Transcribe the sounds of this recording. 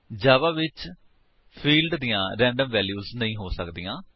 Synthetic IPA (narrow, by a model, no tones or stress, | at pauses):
d͡ʒaːʋaːʋɪt͡ʃ | pʰiːlɖd̪ijãːɾɛ̃ːɳɖəmʋɛːljuːznəĩːɦoːsəkd̪iːjãː